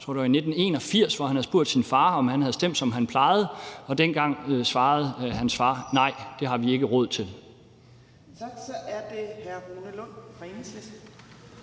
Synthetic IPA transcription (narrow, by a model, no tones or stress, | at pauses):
ɔɐ̰d̥ɑine̝d̥n̩e̝̰ːnɒ̽fiɐ̰sʋɒhænhæð̩ˠsb̥uɐ̰d̥sinfɑ̈ːɒ̽mhænhæðˠsd̥em̰d̥sɒ̽mɦænpʰlɑ̈ɪð̞̩ˠɒ̽d̥enɡ̥ɑ̈ŋ̰sʋɑ̈ːð̞̩ˠhænsfɑ̈ːnɑ̈ɪ̰d̥e̝ɦɑ̈ʋie̝ɡ̥əʁɔ̽ð̰ˠt͡sʰe̝l | ɡsɒʔæɐd̥e̝hæɐoːnəlɔn̰fʁense